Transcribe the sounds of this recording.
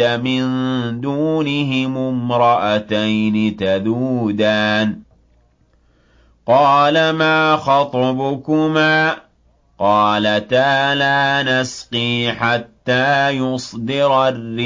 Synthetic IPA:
amɪnd̪uːnɪɦɪmʊmɾˤɑʔat̪ajnɪt̪aðuːd̪aːn | qɑːlamaːxɑt̪ˤɑbʊkʊmaː | qɑːlat̪aːlaːnasqiːħat̪ːaːjʊsˤd̪ɪɾarːɪ

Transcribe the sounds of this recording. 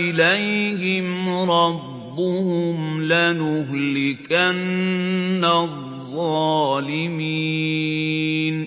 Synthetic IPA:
ɪlajhɪmɾˤɑbːʊhʊmlanʊhlɪkanː | aðˤː | ɑːlɪmi | n

